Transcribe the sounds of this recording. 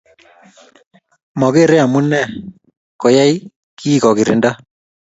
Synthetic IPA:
mɔ˨ɣe˦˨ɾe˦a˨mu˦nɛ˦˨ | kɔ˨ja˦i˦ | kiː˦kɔ˨kɪ˨ɾɪ̰˨nda˦

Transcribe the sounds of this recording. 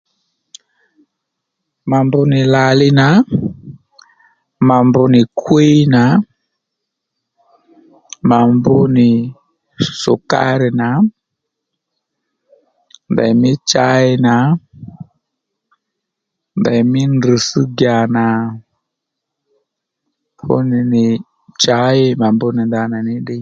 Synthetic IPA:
ma˨mbʊ˧nɪ˨la˨lɪ˦na˨˦ | ma˨mbʊ˨nɪ˨kʰwi˦na˨˦ | ma˨mbʊ˦nɪ˨ | sʊ̰˨ka̰˦ɾɪ˨na˨˦ | nda̰˨i˨mi˦t͡ʃa˦ɛ˦na˨ | nda˨i˨mi˦ndu˨su˦ɡa˨na˨ | fṵ˦ni˨nɪ˨ | t͡ʃa˨˦ɛ˦ma˨mbu˦ni˨nda˨na˨ni˦ɗi˦

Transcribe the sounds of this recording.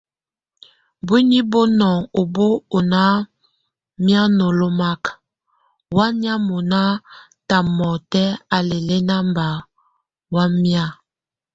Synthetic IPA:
bwi˦ni˦bo˦nɔ˨ŋo˨bo˦o˨na˦ | mja˦no˨lo˦ma˦k | wa˦n˦a˦mo˨na˦ | ta˨mɔ˨tɛ˦a˨le˨le˦na˦mba˨ | wa˦mja˦

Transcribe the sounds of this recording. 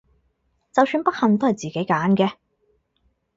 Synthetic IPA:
t͡sɐ˨wsyː˧npɐ˥k̚hɐ˨ŋt̪̬o˥hɐ˨jt͡siː˨ke˨˥jkaː˨˥nkɛː˧

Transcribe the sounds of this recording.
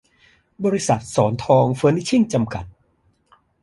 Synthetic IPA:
bɔː˧ɾi˧sa˨˩t̪̚sɔː˩˦nt̪ʰɔː˧ŋfɤː˧˦˥ni˦˥t͡ɕʰi˥˩ŋt͡ɕa˧mka˨˩t̪̚

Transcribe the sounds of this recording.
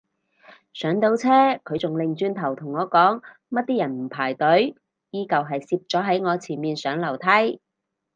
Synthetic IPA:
sœː˨˥ŋt̪o˨˥wt͡sʰɛː˥kʰɵ˨˧ɥt͡sʊ˨ŋlɪ˨ŋt͡ʃyː˧nt̪ʰɐ˨˩wt̪ʰʊ˨˩ŋːɔː˨˧kɔː˨˥ŋ | mɐ˥t̚t̪iː˥jɐ˨˩nm̩˨˩pʰaː˨˩jt̪ɵ˨˥ɥ | jiː˥kɐ˨wɦɐ˨jsiː˧p̚t͡sɔː˨˥ɦɐ˨˥jŋɔː˨˧t͡sʰiː˨˩nmiː˨nsœː˨˥ŋlɐ˨˩wt̪ʰɐ˥j

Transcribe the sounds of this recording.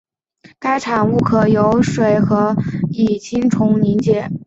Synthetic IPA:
ka˥ɪʈ͡ʂʰa˨˩nu˥˩kʰɤ˨˩jo˧˥ʊʂwe˨˩ɪxɤ˧˥i˨˩t͡ɕʰi˥ŋʈ͡ʂʰʊ˧˥ŋni˧˥ŋt͡ɕjɛ˨˧˩

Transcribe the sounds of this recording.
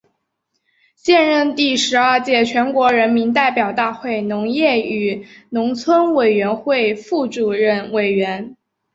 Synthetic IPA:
ɕjɛ˥˧nɻə˥˧nt̪i˥˩ʂɻ̩˧˥ə˞˥˧t͡ɕjɛ˥˩t͡ɕʰɥɛ˧˥nkwɔ˧˥ɻə˧˥nmi˧˥nt̪a˥˩ɪpjɑ˨˩ʊt̪a˥˧xwe˥˩ɪnʊ˧˥ŋjɛ˥˩y˨˩nʊ˧˥ŋt͡sʰwə˥nwe˨˩ɪɥɛ˧˥nxwe˥˧ɪfu˥˩ʈ͡ʂu˨˩ɻə˥˩nwe˨˩ɪɥɛ˧˥n

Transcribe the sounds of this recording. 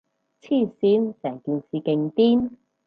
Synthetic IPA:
t͡sʰiː˥˩siː˧˥nsɛː˨˩ŋkiː˨˧nsiː˨kɪ˧ŋt̪iː˥n

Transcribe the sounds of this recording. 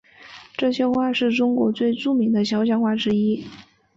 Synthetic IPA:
ʈ͡ʂɤ˥˩ɕjɛ˥xwa˥˧ʂɻ̩˥˩ʈ͡ʂʊ˥ŋkwɔ̰˧˥t͡swe˥˩ɪʈ͡ʂu˥˩mi˧˥ŋd̪ə˧ɕjɑ˥ʊɕ̬jɑ˥˧ŋxwa˥˩ʈ͡ʂɻ̩˥i˥

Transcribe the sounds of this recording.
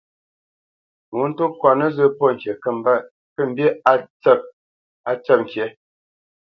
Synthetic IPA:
ŋu˨˦n̩˦tu˦kwa˨nə˦zə˦˨pɔ˦˨ŋ̩˨kje˨kə˦˨m˨ba˦˨ | kə˦˨m̩˨bje˦a˦t͡sə˦˨ | a˨t͡sə˦˨p̚ŋ̩˨kje˨˦

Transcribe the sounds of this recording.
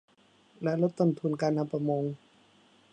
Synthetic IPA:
lɛ˦ʔlo˦˥t̪ːo˧˩˨nt̪ʰu˧˨nkaː˧nha˧˥pɾa˧mo˧ŋ

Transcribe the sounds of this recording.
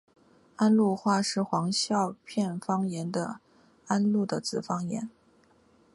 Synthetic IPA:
a˥nlu˥˧xwa˥˧ʂɻ̩˥˩xwɑ˧˥ŋɕjɑ˥˧ʊpʰjɛ˥˩nfɑ˥ŋjɛ˧˥nd̪ə̰˧ | a˥nlu˥˩d̪ə˩t͡sɹ̩˨˩fɑ˥ŋjɛ̰˧˥n

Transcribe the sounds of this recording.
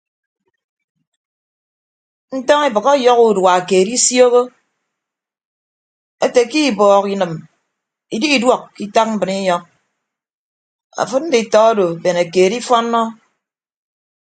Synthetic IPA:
n̩˦tɔ˦ŋi˦bɨ˨kɔ˦jɔ˦ku˦˨dwa˨a˨keː˨di˦sjo˦ɣo˦ | e˦te˨ki˦˨bɔː˨ki˨nɨ˨m | i˨di˦i˨dwɔ˦˨kki˦ta˦k̚m̩˦bɨ˨ni˦ɲɔ˦k̚ | a̰˨fɨ˦t̚n̩˦di˨tɔ˨a˦do˨be˨na˨keː˨di˦fɔ˦nːɔ˦

